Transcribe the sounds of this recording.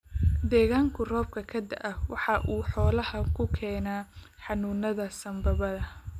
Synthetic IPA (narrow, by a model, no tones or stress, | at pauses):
d̪ɛːɣaːŋkʰʊrɔːb̚kʰɐkʰɐd̪ɐ̰ʔɐwɑħɑʔuːħɔːlɐhɐkʰʊkʰɛːnaː | ħɑnuːnɐðɐsɐmbɐβɐðɐ